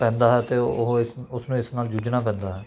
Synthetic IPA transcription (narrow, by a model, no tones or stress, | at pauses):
pɛ̃ːnd̪aːɦɛːt̪eːoɦɪsʊsnũːɪsnaːld͡ʒuːd͡ʒnaːp̬ɛ̃ːnd̪aːɦɛː